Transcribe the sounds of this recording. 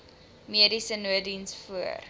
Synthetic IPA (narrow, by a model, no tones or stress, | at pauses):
miədisənuədinsfuər